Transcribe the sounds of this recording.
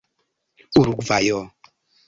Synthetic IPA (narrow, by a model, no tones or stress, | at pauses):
uɾuɡvajɔ